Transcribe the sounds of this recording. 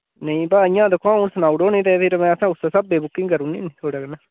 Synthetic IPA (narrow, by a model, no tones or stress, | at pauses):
nəĩːbaːɪ̃jãːd̪əkʰːoãːuːnsənaːuɖoːnĩːt̪ɛpʰɪɾmɛ̃ːəsãːʊsaːsabeːbʊkːɪ̃ŋɡkəɾũːnḭːnĩt̪ʰoːɽaːkənaː